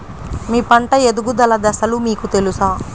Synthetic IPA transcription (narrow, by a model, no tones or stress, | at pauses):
miːpɐɳʈɐjed̪uɡud̪ɐlɐd̪ɐsɐlumiːkut̪e̞lusaː